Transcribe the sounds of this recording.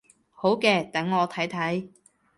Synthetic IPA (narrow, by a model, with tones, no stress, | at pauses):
ho˨˥wkɛː˧t̪ɐ˨˥ŋːɔː˨˧t̪ʰɐ˨˥jt̪ʰɐ˨˥j